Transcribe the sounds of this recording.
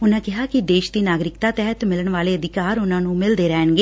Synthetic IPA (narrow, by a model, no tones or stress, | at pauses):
ʊnãːkɪɦaːkɪd̪eːʃd̪iːnaːɡɾɪkt̪aːt̪ɛɦət̪mɪləɳʋaːleːəd̪ɪkaːɾʊnãːnũːmɪld̪eːɾɛːnɡeː